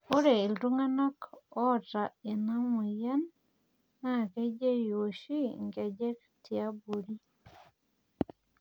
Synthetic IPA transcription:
o˦ɾe˨i˨ldu˦ŋa˦na˦kɔ˦˨ta˨e˨na˦mu˨ja˦nː | a˦˨ke˦d͡ʒe˦jo˨ʃi˦ŋɡe˨d͡ʒe˦k | tja˦bo˨ɾi˦

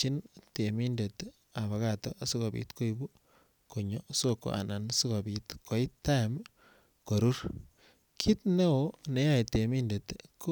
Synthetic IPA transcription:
i˦ntemi˦nde˨t̪ | a˨βa˨katɔ˦ʔa˦su˦ka˨bḭ˨t̪ko˦ibu˦ | ko˨ɲɔ˨soko̰˨ʔa̰˨na˨nsu˦ka˨bit̪ko˨i˦t̪ːa˦˨m | ko˨ɾu˦ɾ | kʰi˦t̪ne˦o˦ne˦ja˦i˨te˨mi˦nde˨t̪kʰo˦

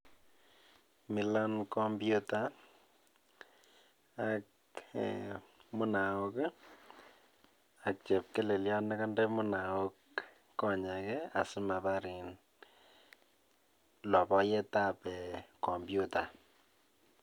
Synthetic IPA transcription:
mi˨la˦nkɔmbjuta˨ | ak | mʊ˦na˨o˦k | ak̚t͡ʃɛ˨p̚kɛ˦le˨lja˦na˦ka˦ndɛ˦mʊ˦na˨wo˦kː | ɔ˦ɲa˨kɛa̰˨sɪ˦ma˨ba˦ɾi˨n | lɔ˨pɔ˦jɛ˦ta˦pɛ˨kɔ˨mbjuta˨

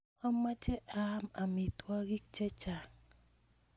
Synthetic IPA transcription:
ɔ˦ma˦t͡ʃɛ˦ʔa˦ma˨mi˨twa˦ɡi˦k̚t͡ʃɛ˦t͡ʃa˨ŋ

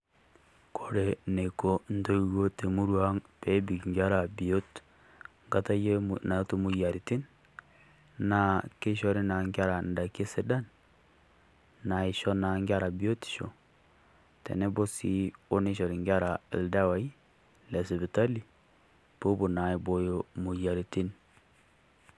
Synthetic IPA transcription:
kʰo˨ɾe˨ne˨ko˦n̩˦to˦ɣo˦te˨mu˦ɾwa˦ŋpe˦bi˨kŋɡʲa˦ɾa˨bi˨o˦t | ŋɡa˦ta˦je˦na˨˦to˦mu˨ja˨ɾi˨ti˦n | na˨ke˦ʃɔ˦ɾe˦na˨ŋɡja˦ɾa˨n˨da˨ke˦se˦da˦n | na˨i˨ʃɔ˦na˨˦ŋɡʲa˦ɾa˨bi˦o˦ti̥˨ʃo̰˨ | tḛ˨ne˦bo˦sḭ˦o˦ne˦ʃɔ˨ɾi˨ŋɡa˦ɾa˨ḛ˨lda˦wa˦i˦ | le˨se˨bi˨ta˦li˨ | b̥o˦bo˨na˨i˨bo˦jo˦mu˨ja˨ɾi˨ti˦n

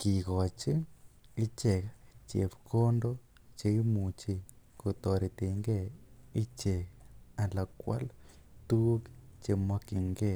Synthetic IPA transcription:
ki˨ɣɔ˨t͡ʃi˦i˦t͡ʃe˨kt͡ʃe˨pkʰo˦ndo˦ | t͡ʃe˧˦i˦mu˨t͡ʃi˦˨ko˨t̪o˨ɾi˨t̪e˨ŋɡe˦˨i˦t͡ʃe˨a˨la˨kwa̰˦lt̪u˦kt͡ʃe˧mɔ˦ki˨ŋɡe˦˨

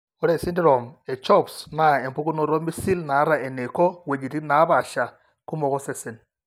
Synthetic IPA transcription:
ɔ˦ɾe˦˨si˦ndi˦ɾɔ˨me˨t͡ʃɔ˦˨psna˦˨e˨mpu˦ku˦nɔ˦˨ɾɔ˦mi˦si˦lna˨˦ɾa˨e˨ne˨kɔ˦we˨d͡ʒi˨ti˦na˨˦βa˨ʃa˨ | ku˦mɔ˨kɔ˦se˦sɪ˨n

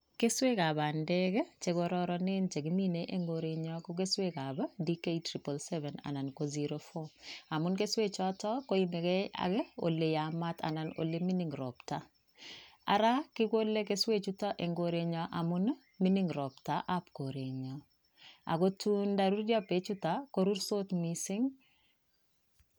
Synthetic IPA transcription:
ke˦swe˦ka˨βa˨ndɛ˦kt͡ʃe˨koɾɔɾɔ˦nɪ˦nt͡ʃe˨ɡi˦mi˦neʔeŋɡo˨ɾe˨ɲɔ˦ko˦ke˦swe˦ka˨ba˦di˦ke˦itɾi˨po˨lsɛ˦vɛ˨na̰˨na˨nko˦ziɾofɔ˦a˨mʊ˦nke˦swe˦t͡ʃɔ˦tɔ˦ko˦i˦me˨kɛ˦a̰˨ɡo̰˨le˨ja˨ma˦ta̰˨na˨no̰˨le˦mi˦ni˨ŋɾɔ̰pta˨ | a̰ɾa˦kɪ˦ko˦le˦ke˦swe˦t͡ʃutaʔe˨ŋɡoɾeɲɔʔamʊ˦n | mi˦niŋɾɔptaʔapko˨ɾe˨ɲɔ | a̰˨ko˦tu˦ndaɾu˦ɾdja˦pe˦t͡ʃutako˦ɾu˦ɾso˦tmisɪ˦ŋ

